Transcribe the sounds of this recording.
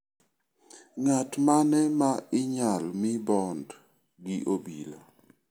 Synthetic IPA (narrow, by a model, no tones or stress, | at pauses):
ŋatmanɛmaɪɲalmɪbɔnd | ɡɪʔobila